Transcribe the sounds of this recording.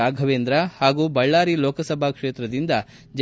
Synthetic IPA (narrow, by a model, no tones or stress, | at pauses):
aːɡʱɐʋeːnd̪ɾɐhaːɡuːbɐɭːaːɾiloːkɐsɐbʱakʂeːt̪ɾɐd̪ind̪ɐ | d͡ʒ